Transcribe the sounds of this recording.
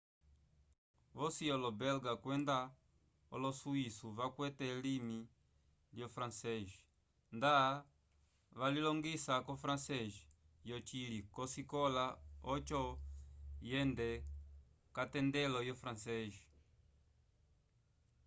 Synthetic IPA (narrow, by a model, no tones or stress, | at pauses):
vɔsiɔlɔbɛlɡakwɛnda | ɔ̰lɔsuisuβakwɛtɛlimi | ljɔfɾansɛʒi̥ | nda | βalilɔŋɡisakɔfɾansɛʒi | jɔt͡ʃilikɔsikɔlaɔt͡ʃɔ | jɛndɛ | katɛndɛlɔjɔfɾansɛʒi̥